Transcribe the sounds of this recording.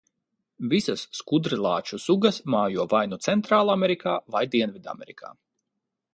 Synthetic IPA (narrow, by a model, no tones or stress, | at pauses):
visasːkud̪ɾilˠɑ̰ːt͡ʃusuɡɐsmaːjuɔvajnut̪sɛnt̪ɾaːlˠameɾikʰaːvajd̪iɛnvid̪a̰mɛɾikʰa̰ː